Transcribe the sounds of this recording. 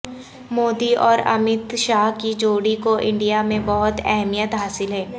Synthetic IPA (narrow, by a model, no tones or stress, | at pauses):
moːd̪iɔːɾɐ̰mɪt̪ʃaːɦkid͡ʒoːɽikoʔɪ̃ɳɖijamẽbɔɦʊt̪ɛɦmijət̪ɦaːsɪlɦɛː